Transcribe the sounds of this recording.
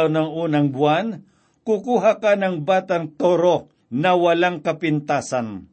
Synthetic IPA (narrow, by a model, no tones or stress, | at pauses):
wnɐŋuːnɐŋbwan | kʊkuːɦakanɐŋbaːt̪aŋt̪oɾo | nɐwɐlaŋkɐpɪnt̪aːsan